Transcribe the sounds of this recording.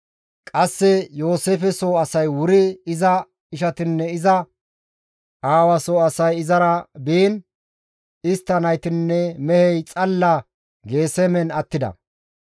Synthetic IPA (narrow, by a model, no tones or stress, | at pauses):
kʼɐsːɛjo̞ːseːfɛsoːɐsɐjwʊɾɪɪzɐ | ɪʃɐt̪ɪnːɛɪzɐ | ʔaːwɐsoːɐsɐjɪzɐɾɐbiːn | ɪst̪ːɐnɐjt̪ɪnːɛmɛhɛjt͡sʼɐlːɐ | ɡe̞ːsɛmɛnɐt̪ːɪd̪ɐ̰